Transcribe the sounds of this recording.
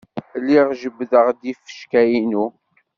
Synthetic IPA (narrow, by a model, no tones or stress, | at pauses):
lːiʁʒəbːðəʁd̪ifə̥ʃkæjinu